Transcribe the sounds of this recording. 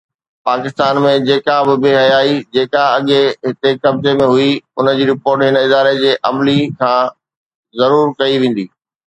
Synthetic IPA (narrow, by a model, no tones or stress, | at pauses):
paːkɪst̪aːnmẽd͡ʑeːkabɪbeːɦɐjaːid͡ʑeːkaɐɠeɦɪt̪ekɐbzemẽɦʊiʊnə̆d͡ʑiːɾɪpoːɾʈɦɪnɪd̪aːɾed͡ʑeːʔɐmlikʰãː | zɐɾuːɾkɐiʋẽːn̆d̪iː